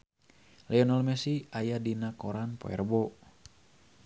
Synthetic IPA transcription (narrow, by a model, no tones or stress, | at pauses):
lɛɔnalmɛsiajadinakoɾanpo̰ɛ̰rbo